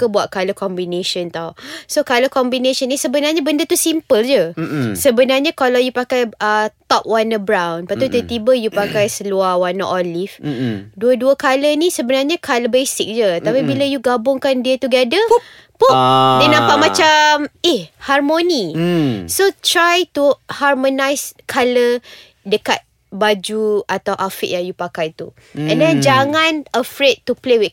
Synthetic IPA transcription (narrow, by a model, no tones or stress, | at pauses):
kəbuaʔ̪̚kaləkɔmbinẽʃənt̪awsokaləkɔmbinẽʃənĩsəbənarɲabəndət̪usimpəld͡ʒəsəbənarɲãkalawjupakajət̪ɔp̚wanəbɾawnpat̪ut̪ət̪ibəjupakajsəluawanə̰ʔɔlifduəduəkalənĩsəbənarɲakʰaləbesik̚d͡ʒət̪apibiləjuɡabʊŋkandiət̪uɡɛdə | pudənãmpaʔmãt͡ʃamihharmõnisot̪ɾajt̪uharmõnajskʰalə | dəka̰t̪̚ | bad͡ʒuat̪awʔafḭʔ̚jaŋjupakajt̪ṵ | ɛ̃ndɛnd͡ʒaŋãnəfɾet̪̚t̪ːuplewi